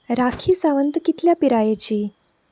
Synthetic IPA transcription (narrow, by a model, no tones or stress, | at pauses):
ɾakʰiːsaʋənt̪kit̪ljapiɾajet͡ɕiː